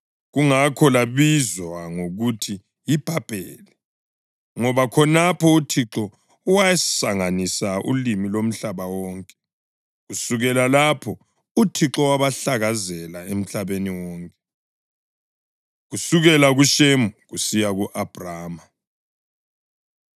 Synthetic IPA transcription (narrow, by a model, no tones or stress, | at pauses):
ɣuŋakʰɔlaβizwaŋoɣutʰi | jib̥ʱab̥ʱḛːli | ŋɔβakʰɔnapʰɔutʰiǁɔ | wajɛssaŋanisaʔṵlimilom̩ɬaβawɔːŋkʼɛ | ɣusuɣɛlalapʰɔ | utʰiǁɔwaβaɬaɣazɛlaem̩ɬaβeniwɔːŋkʼɛ | ɣusuɣɛlaɣuʃemuɣusijaɣuʔab̥ʱraːma